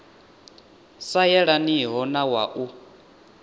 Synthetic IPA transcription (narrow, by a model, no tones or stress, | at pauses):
sajɛɺaniɦɔnawaʔu